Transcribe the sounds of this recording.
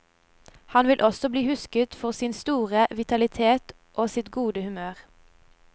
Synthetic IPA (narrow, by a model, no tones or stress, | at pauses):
hɑnʋɪlʔɔsɔbliːhʉskət̪fɔʁsɪnst̪uːʁəʋɪt̪ɑlɪt̪ʰeːt̪ | ʔoːsɪt̪ɡuːd̪əhʉmøːʁ